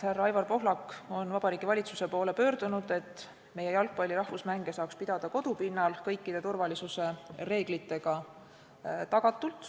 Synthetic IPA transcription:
hærːɑjvɑrpo̞ɦlɑkːo̞nvɑb̥ɑɾiːɡ̥ivɑlʲit̪suse̞po̞ːle̞pø̞ːrd̪̥unud̪̥e̞t̪ːˑ | me̞je̞jɑlk̚pɑlʲiɾɑhvusmæŋɡ̥e̞sɑːkspid̪̥ɑd̪̥ɑko̞d̪̥upinːɑlkɤjkːˑid̪̥e̞t̪urvɑlisuse̞re̞ːɡ̥lit̪ːˑe̞ɡ̥ɑ | t̪ɑɡ̥ɑt̪ːˑult̪ˑ

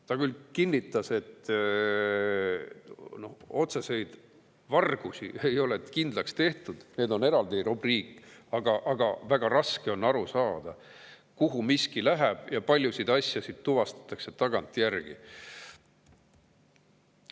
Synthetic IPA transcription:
t̪ɑkylkinːit̪ːˑɑse̞t̪ː | no̞ho̞t̪se̞se̞jd̪̥ | vɑrɡ̥usie̞jo̞let̪kind̪lɑkst̪e̞ht̪ud̪̥ne̞ːd̪o̞ne̞ɾɑld̪iɾubriːkːˑɑɡ̥ɑʔɑɡ̥ɑvæɡ̥ɑɾɑske̞o̞nːɑɾusɑːd̪̥ɑ | kuɦumiskilæɦæb̥jɑpɑlʲjusid̪̥ɑsʲjɑsid̪̥̚t̪uvɑst̪ɑ̥t̪ːˑɑkse̞t̪ɑɡ̥ɑnt̪ˑjærɡ̥ḭ

